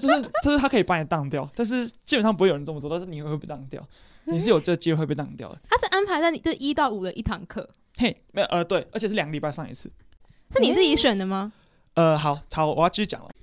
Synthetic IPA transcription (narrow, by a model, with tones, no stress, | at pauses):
t͡ɕjo˥ʊʂ̩ʰ˥˩˥ʊʂ̩˥t̪a˥kʰɤ˧˥i˨˩pa˥˩n˨˩t̪ɑ˥˧ŋt̪̬jɑ˥˨ʊt̪a˥˧nʂ̬ɻ̩˥˩t͡ɕi˥pə˨˩nʂɑ˥˩p̬u˧˥o˥˩jə˧˦˥t͡sə˧˩m˨˧t͡sɔ˥˧t̪ʂ̩˥˩ni˨we˧we˥˧pe˥˩t̪ɑ˥˧ŋt̪jɑ˥˨ʊ | ni˨˩ʂɻ̩˥˨jo˨˩ʈ͡ʂə˥˩ɡə˩t͡ɕi˥we˧we˥˧pe˥˧˩t̪ɑ˥˨˩ŋt̪jɑ˥˩ʊd̪ə˩t̪ʰa˥ʂɻ̩˥˩ʔa˥npʰa˧ɪt͡sa˥˩ɪni˨˩t͡s̩˥˩˨i˦˥t̪ɑ˥˩ʊu˨˩d̪ə˦ʔi˥˩t̪ʰɑ˧˥˦ŋkʰɤ̰˥˩ | he˥˩ɪ | ə˨˩ʔə˧t̪we˥˩ɪʔə˧˥t͡ɕʰʂɻ̩˥˩ljŋɡə˧li˨˩pa˥˧ɑ˥˧ŋḭ˧˥t͡sʰɹ̩˥˩ | ʂɻ̩˥˩ni˨˩t͡s̩˥˩t͡ɕi˧˥ʂɥə˨˩nd̪ə˦ma˨ | ə˧ɦɑ˨˩˦ʊt͡sʰɑ˨˦ʊwɔ˨˩jt͡ɕi˥˩y˧˥t͡ɕjɑ̰˨˩ŋlə̰˦